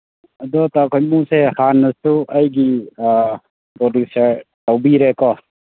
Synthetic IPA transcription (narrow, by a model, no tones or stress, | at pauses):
ɐd̪ɔtakʰɔjmusehanːɐsuɐjɡi | bɔduseɾtawbiɾekɔ